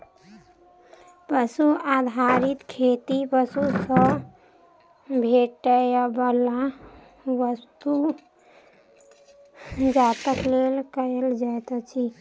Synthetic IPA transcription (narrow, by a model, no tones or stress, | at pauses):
pəsuad̪ʱaɾit̪kʰet̪ipəsusə | bʱeʈəjabəla | ʋəst̪u | d͡ʒat̪əklelkəəld͡ʒajt̪t͡ʃʰi